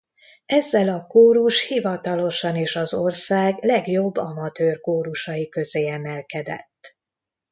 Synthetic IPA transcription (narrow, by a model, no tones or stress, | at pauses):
ɛzːɛlɒkoːɾuʃhivɒt̪ɒlo̞ʃɒneːʃɒzorsaːɡlɛɡjo̞bːɒmɒt̪øːrkoːɾuʃɒjikøzeːɛmɛlkɛd̪ɛ̰t̪ː